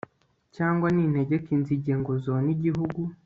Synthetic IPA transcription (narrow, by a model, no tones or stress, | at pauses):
caːŋɡwanin̥he̞ɟekinziɟeŋɡozoniɟiɦuɡu